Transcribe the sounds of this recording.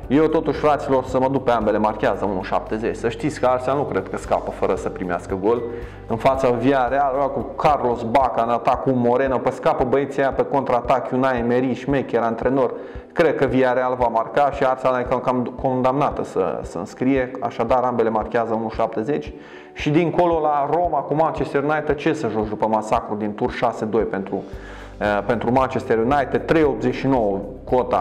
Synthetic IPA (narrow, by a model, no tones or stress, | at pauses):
jewt̪o̞t̪uʃʲfɾat̪silo̞rsəməd̪uk̚peambe̞le̞markʲeazəunuʃa̰p̚t̪e̞zet͡ʃʲsəʃt̪it̪sʲkəarsanukɾe̞d̪̚kəska̰pəfəɾəsəpɾimea̰skəɡo̞l | ɨnfat̪saviaɾealoakukʰarlo̞sbakanat̪akumo̞ɾe̞nopəskapəbəe̞t̪siajapeko̞nt̪ɾaːt̪akʲjunaemeɾiʃimekʲeɾaɨnt̪ɾe̞no̞r | kɾe̞d̪̚kəviaɾealvamarkaʃiarsanajkkamko̞nd̪amnat̪əsə̰sənskɾije̞a̰ʃad̪aɾambe̞le̞markʲeazəunuʃap̚t̪e̞ze̞t͡ʃʲ | ʃid̪iŋko̞lo̞laɾo̞makumant͡ʃest̪eɾjunajt̪ed̪̚t͡ʃe̞səʒot͡ʃd̪upəmasakɾud̪int̪urʃase̞d̪o̞jpe̞nt̪ɾu | pe̞nt̪ɾumant͡ʃest̪eɾjunajt̪ed̪̚t̪ːɾe̞jo̞pzeʃino̞wə | kot̪a̰